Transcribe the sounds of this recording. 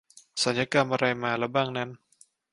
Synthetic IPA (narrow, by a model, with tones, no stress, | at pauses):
sa˩˦njaː˧ka˧mʔa˧ɾa˧jmaː˧lɛ˦˥baː˧ŋnɛ˧˥n